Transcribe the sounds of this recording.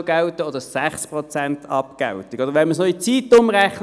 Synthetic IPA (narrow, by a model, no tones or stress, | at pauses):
ɡ̥ɛlt̪əɔd̥̪əsæχspʁɔt͡sæntɑpkɛ̰lt̪iɡ̥ɔdəʁʋɛnməsnɔit͡siːt̪ʊmʁɛχn